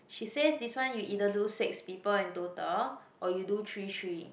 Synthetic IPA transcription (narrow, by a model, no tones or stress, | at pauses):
ʃisesdiswãnjuʔidədusɛkspipəlɛ̃ntotəlʔɔjudutʰɹitʰɹi